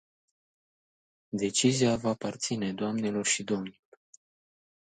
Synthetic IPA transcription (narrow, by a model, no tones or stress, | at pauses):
d̪e̞t͡ʃiziavaːpart̪sine̞d̪oamnelo̞rʃid̪o̞mnilor